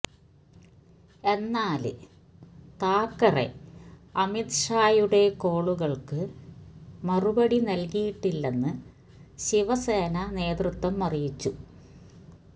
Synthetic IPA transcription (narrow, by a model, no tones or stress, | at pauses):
e̞nːaːlɨ | t̪aːkːɐre̞̰ɐmit̪ʂaːjuɽe̞ko̞ːɭuɣɐɭkɨ | mɐrubɐɽinɐlkijiʈːilːenːɨ | ɕiʋɐseːnɐne̞ːd̪rɨt̪wɐmːɐrijit͡ɕːu